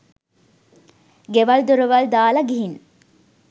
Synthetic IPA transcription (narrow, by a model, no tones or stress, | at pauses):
ɡeʋɐld̪oɾoʋɐld̪aːlɐɡiɦin